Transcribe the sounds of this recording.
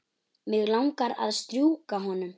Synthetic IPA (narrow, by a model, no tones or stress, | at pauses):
mɪɣlawŋkaɾa̰ðst̪ɾjuːkaɦɔnʏm